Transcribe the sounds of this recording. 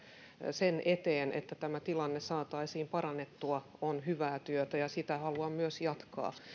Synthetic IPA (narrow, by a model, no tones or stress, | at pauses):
senʔet̪eːnḛt̪ːæt̪æmæt̪ilɑnːesɑːt̪ɑisiːmpɑɾɑnːet̪ːuɑonɦyʋæːt̪yøt̪æjɑsit̪æhɑluɑmmyøsjɑt̪kɑ̰ː